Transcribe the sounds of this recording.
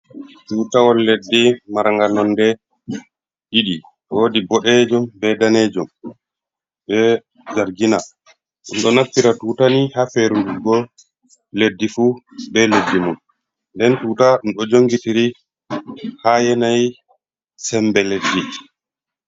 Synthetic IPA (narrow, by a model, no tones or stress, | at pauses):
tuːtawɔlledːimaɾŋɡanɔndɛ | ɗiɗi | woːdibɔɗɛd͡ʒumbɛdaned͡ʒum | bɛ | d͡ʒaɾɡina | ɗunɗɔnafiɾatuːtanihafeɾunduɡɔ | ledːifubɛledːimun | ndɛntuːtaɗumɗɔd͡ʒoŋɡitiɾi | hajɛnaj | sɛmbɛledːi